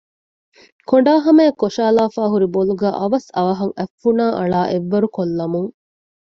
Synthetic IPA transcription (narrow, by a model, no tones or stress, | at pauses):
koɳɖaːɦɐmeːkːoʃaːlaːfaːɦuɾiboluɡæːʔɐʋɐsɐʋɐɦɐŋæfːunaːʔɐɭaːʔeʋːɐɾukolːɐmuŋ